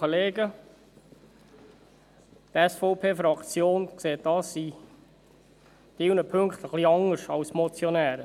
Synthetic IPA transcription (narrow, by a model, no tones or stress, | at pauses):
əleːɡə | t̪ɛsfɔʊpʰeːfɾɑkt͡sjoːnkseːt̚d̥ɑːsi | t̪ɪwnəpʰɵŋkt̪əχliɑŋəɾʃɑwsmɔt͡sjɔnæːɾə